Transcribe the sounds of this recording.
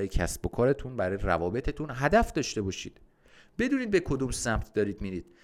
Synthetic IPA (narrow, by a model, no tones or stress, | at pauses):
ɔːjecʰæ̰sb̥o̞kʰɒːɾe̞t̪ʰunbæɾɒːjeɾævɒːbe̞t̪ʰet̪ʰunɦæd̪æfd̪ɒːʃt̪e̞bɒːʃḭːd̪̥ | b̥e̞d̪uːniːd̪̚be̞kʰo̞d̪umsæmt̪ʰd̪ɒːɾiːd̪miːɾiːd̪̥